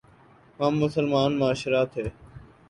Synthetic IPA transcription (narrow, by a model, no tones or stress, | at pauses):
mãːmːʊsəlmaːnmaːʃɾaːt̪ʰɦeː